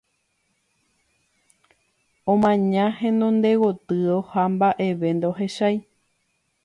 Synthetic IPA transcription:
õmãɲãhẽnõnd̪e̞wot̪ɨohambaʔe̞ʋe̞nd̪eoɦe̞ʃaj

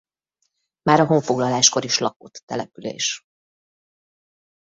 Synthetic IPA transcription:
maːɾɒɦo̞ɱfo̞ɡlɒlaːʃko̞ɾiʃlɒko̞t̪ːɛlɛpylḛːʃ

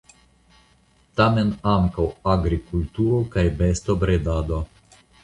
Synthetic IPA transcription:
t̪amenaŋkawaɡɾikult̪uɾokajbest̪obɾed̪ad̪o

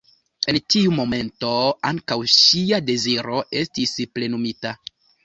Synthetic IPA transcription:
e̞ntiumo̞me̞nto̞aŋkawʃiade̞ziɾo̞ʔe̞stisple̞numita

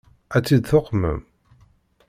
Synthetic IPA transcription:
æt͡sːid̪θoqːmə̰m

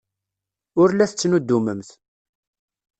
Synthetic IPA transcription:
ʊɾlæθət͡sːnud̪ːuməmθ

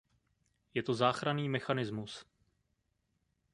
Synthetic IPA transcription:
jɛt̪o̞zaːxɾaniːmɛxanɪzmus

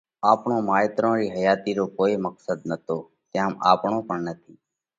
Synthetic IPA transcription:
aːpɳõːmaːjt̪ɾõːɾiːɦəjaːt̪iːɾoːkoːiːməksəd̪nət̪oː | t̪ẽma̰ːpɳõːpəɳnət̪ʰiː

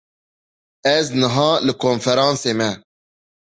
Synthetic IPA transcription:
ɛznɨɦɑ̃ːlɨkʰoːnfɛɾɑ̃ːnseːmɛ

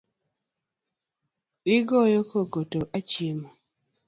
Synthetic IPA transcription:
ɪɡɔjokʰokotoʔat͡ʃjemo

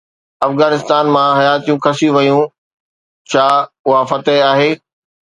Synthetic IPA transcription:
ɐfɣaːnɪst̪aːnmãɦɐjaːt̪ijũkʰɐsijũʋɐjũ | t͡ɕʰaː | ʊɦafɐt̪əɦaːɦeː

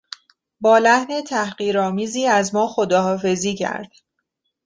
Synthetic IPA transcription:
bɒːlæhne̞t̪ʰæhɢiːɾɒːmiːziːæzmɒːxo̞d̪ɒːɦɒːfe̞ziːcʰæ̰ɾd̪̥

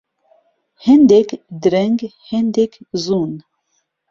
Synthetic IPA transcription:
hɛnd̪ɛkd̪ɾɛŋɡhɛnd̪ɛkzun

